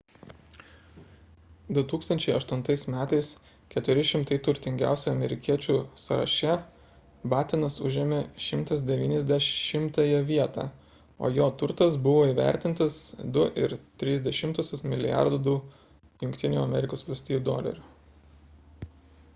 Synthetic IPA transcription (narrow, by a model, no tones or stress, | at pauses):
d̪ʊt̪uːkst̪ɐnʲt͡ʃʲɛɪɐʃt̪ʊnt̪ɐɪsmʲæːt̪ɐɪs | kʲɛt̪ʊɾʲɪʃʲɪmt̪ɐɪt̪ʊɾʲt̪ʲɪŋʲɡʲæ̰ˑʊsʲɛɐmʲɛɾʲɪkʲiɛt͡ʃʲuːsɐɾɐ̰ʃʲɛ | bɑːt̪ʲɪnɐsʊʒʲɛmʲeʃʲɪmt̪ɐsd̪ʲɛʋʲiːnʲɛzʲd̪ʲɛʃʃʲɪmt̪ɐjɛʋʲiɛt̪ɑ̰ː | o̰ːjoːt̪ʊɾt̪ɐsbʊʋoːiːʋʲæ̰ˑɾʲt̪ʲɪnt̪ɐsd̪ʊʔɪ̰ɾt̪ʲɾʲiːzʲd̪ʲɛʃʲɪmt̪usʲʊsmʲɪlʲɪjɑ̰ɾd̪ʊd̪ʊ | jʊŋʲkʲt̪ʲɪnʲuːɐmʲɛɾʲɪkoːsʋɐlʲsʲt̪ʲiːjuːd̪oːlʲɐ̰ɾʲuː